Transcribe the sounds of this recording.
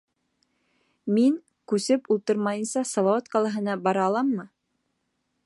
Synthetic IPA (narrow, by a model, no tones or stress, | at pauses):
miŋ | kʉsɘpulˠt̪ɤɾmɑjɤ̆nsɑsɑlˠɑwɑt̪qɑlˠɑɦɤ̆nɑbɑɾɑːlˠɑmːɤ